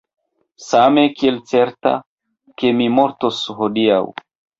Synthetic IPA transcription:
same̞kielt͡se̞ɾta̰ | ke̞mimo̞ɾtoshodiaw

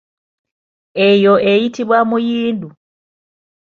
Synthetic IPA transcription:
ejoʔejitiβwamujiːndu

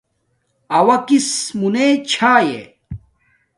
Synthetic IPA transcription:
ɐwɐkismunet͡ɕʰaːjḛ

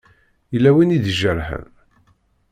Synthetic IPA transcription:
jəlːæwinid̪ʒəɾhə̰n

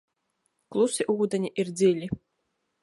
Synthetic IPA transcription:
klˠusɨʔuɣud̪ɐnʲiʔird͡zʲilʲi

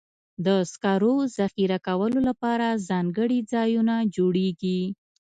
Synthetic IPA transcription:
d̪əskɑɾozaxiɾakawəlolapɑɾazɑŋɡəɽid͡zɑjunad͡ʒoɽeɡi

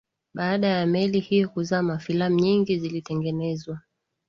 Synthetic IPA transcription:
ɓaːɗajamɛlihijɔkuzaːmafilamuɲiŋɡizilitɛŋɡɛnɛzwa

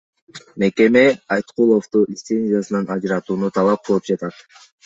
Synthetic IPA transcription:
meke̞me̞ɑjt̪qulˠoft̪uɪst̪se̞nʲzʲijasɯnɑnɑd͡ʒɾɑt̪uːnut̪ʰɑlˠɑp̚qʰɯlˠɯp̚d͡ʒɑt̪ɑt̪

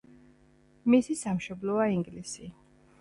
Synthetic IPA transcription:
misisamʃɔblˠɔaiŋɡlisi

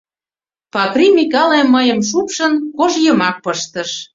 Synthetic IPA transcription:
pɑkrimikɑlemːəjə̆mʃupʃənkoʒjəmɑk̚pəʃt̪əʃ

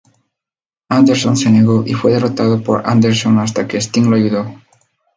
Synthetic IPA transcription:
and̪eɾsonseneɣoʔifweðerot̪aðopoɾa̰nd̪eɾsonast̪akest̪iŋloajuðo

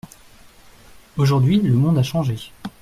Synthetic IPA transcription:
oʒuʁd̪ɥiləmɔ̃d̪aʃɑ̃ʒe

